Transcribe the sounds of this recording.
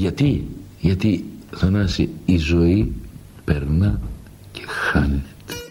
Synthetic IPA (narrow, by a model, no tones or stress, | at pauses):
ʝɐt̪i | ʝɐt̪iθɐnɐsiːzo̞i | pe̞ɾnɐ | cʰexɐnet̪e̥